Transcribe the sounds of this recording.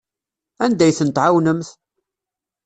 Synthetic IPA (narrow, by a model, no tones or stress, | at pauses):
ænd̪æjθənt̪ʕawnəmθ